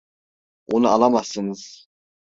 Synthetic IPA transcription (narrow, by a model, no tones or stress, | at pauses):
onualˠamasɯnɯz̥